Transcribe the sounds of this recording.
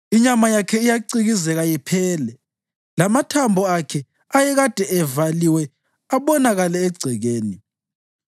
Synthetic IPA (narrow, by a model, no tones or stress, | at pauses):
iɲamajakʰɛijaǀiɣizɛɣajɛpʰɛːlɛ | lamatʰambʱɔakʰɛ | ajɛɣad̥ʱɛɛvaliwɛ | aβɔnaɣalɛeɡ͡ǀʱiɣeːni